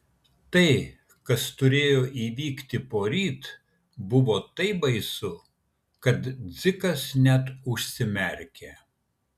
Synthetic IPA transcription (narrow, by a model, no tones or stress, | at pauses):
t̪ɐɪ | kɐst̪ʊɾʲeːjoːʔiːʋʲiːkt̪ʲɪpoːɾʲiːt̪ | bʊʋoːt̪ɐɪbɐɪsʊ | kɐt̪d̪zʲɪkɐsnʲɛt̪ʊʃʲsʲɪmʲɛɾʲkʲe